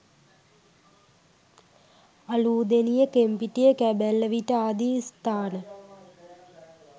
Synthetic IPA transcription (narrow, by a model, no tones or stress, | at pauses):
ɐluːd̪enijəkempiʈijəkæbælːəʋiʈəaːd̪ist̪aːnə